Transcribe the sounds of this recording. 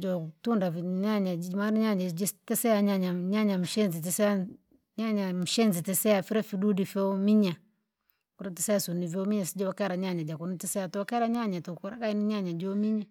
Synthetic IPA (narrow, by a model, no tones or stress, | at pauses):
d͡ʒotundafɲaɲad͡ʒmaɾiɲaɲad͡ʒitisejaɲaɲaɲaɲamʃenzit̬isea | ɲaɲam̩ʃenzitisejafiɾafidudifeomiɲa | kuɾatiseasunivomiɲasid͡ʒowakaɾaɲaɲad͡ʒakunitisejatoakeɾaɲaɲatokuɾa̰kainiɲaɲad͡ʒomiɲa